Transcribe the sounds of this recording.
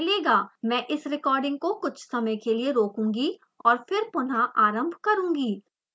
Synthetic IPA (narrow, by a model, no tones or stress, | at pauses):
leːɡaːmɛ̃ːʔɪsɾɪkɔːɾɖɪ̃ŋɡ̚kokʊt͡ʃʰsɐməjkelieɾoːkũːŋɡi | ɔːɾfɪɾpʊnɦaʔaːɾə̃mbʱkɐɾũːŋɡiː